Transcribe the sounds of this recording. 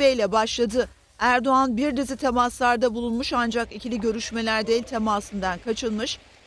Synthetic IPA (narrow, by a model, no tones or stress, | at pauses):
ejlʲɛbaʃlˠad̪ɯ | æɾd̪o̞anbiɾd̪izit̪ʰe̞maslˠaɾd̪abulˠunmuʃand͡ʒakicʰilʲiɟø̞ɾyʃme̞lʲæɾd̪e̞jilʲt̪ʰe̞masɯnd̪ankʰat͡ʃʰɯlˠmɯʃ